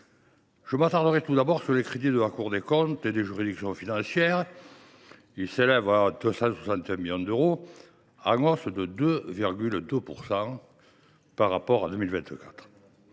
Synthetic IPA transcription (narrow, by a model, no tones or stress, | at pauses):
ʒ̥əmat̪aʁd̪əʁɛt̪ud̪abɔʁsyʁlekχed̪id̪əlakuʁd̪ekɔ̃t̪ed̪eʒyʁid̪iksjɔ̃finɑ̃sjɛʁ | ilselɛvad̪øsɑ̃swasɑ̃nt̪eɛ̃miljɔ̃d̪øʁo | ɑ̃ŋɔsd̪əd̪øviʁɡʲyld̪əpuʁsɑ̃ | paʁːapɔʁa̰d̪ømilvɛ̃nt̪əkḁt̪χ